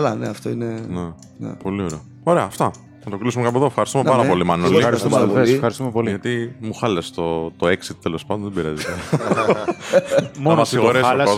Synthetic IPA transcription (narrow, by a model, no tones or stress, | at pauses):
lɐneɐft̪oinene | nḛpo̞lioɾeɐ | o̞ɾe̞ɐːft̪ɐ | nɐt̪oklisumekɐp̬oeðofxɐɾist̪umpɐɾɐpo̞limɐnoliɐɾist̪uɐðefesfxɐɾist̪umepo̞liʝɐt̪imuxɐlest̪ot̪oeksit̪̚t̪ːelo̞spaɐnd̪onðebiɾɐ̰zet̪e | monoɐsiɣoɾelɐo